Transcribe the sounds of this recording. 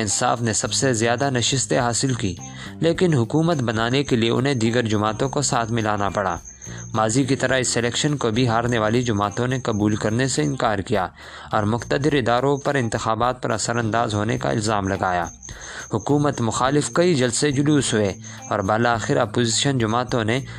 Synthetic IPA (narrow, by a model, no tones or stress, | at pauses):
ɪnsa̰ːfnesɐbsezjaːd̪anɐʃɪst̪eɦaːsɪlkiː | leːkɪnɦʊkuːmət̪bɐnaːnekelieʔʊ̰nɦẽd̪iːɡəɾd͡ʒʊmaːt̪õkosaːt̪ʰmɪlaːnapɐɽa̰ː | maːzikit̪ɐɾʔəɪsːelɛːkʃənkobʱiɦaːɾneʋaːlid͡ʒʊmaːt̪õnekɐbuːlkɐɾneseɪ̃nkaːɾkijaː | ɔːɾmʊxt̪əd̪ɪɾɪd̪aːɾõpɐɾɪ̃nt̪ɪxaːbaːt̪̚pɐ̰ɾʔɐ̰səɾɐ̃nd̪aːzɦoːneka̰ɪ̰lzaːmlɐɡaːja̰ː | hʊkuːmət̪mʊxaːlɪfkɐid͡ʒɐlsed͡ʒʊluːsɦʊeː | ɔːɾbɐːlaːxɪɾɐpoːziːʃənd͡ʒʊmaːt̪õne